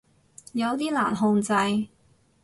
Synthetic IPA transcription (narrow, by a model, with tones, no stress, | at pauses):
jɐ˨˧wt̪iː˥la̰ː˨˩nɦʊ˧ŋt͡sɐ˧j